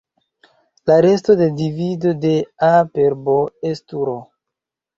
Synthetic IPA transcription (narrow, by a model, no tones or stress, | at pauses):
laɾe̞sto̞de̞divido̞de̞apeɾboestuɾo